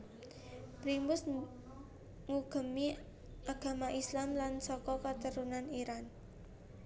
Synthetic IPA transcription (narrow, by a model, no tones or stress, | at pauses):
pɾimbʊs | ŋuɡ̥ə̤mi | aɡ̥a̤maʔislamlansɔkɔkət̪əɾunaniɾan